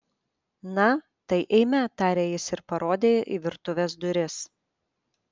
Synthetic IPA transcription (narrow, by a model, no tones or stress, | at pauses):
nɐ | t̪ɐɪʔɛɪmʲɛt̪ɑːɾʲeːjɪsɪɾpɐɾoːd̪ʲeːjʔiːʋʲɪɾt̪ʊʋʲesd̪ʊɾʲɪs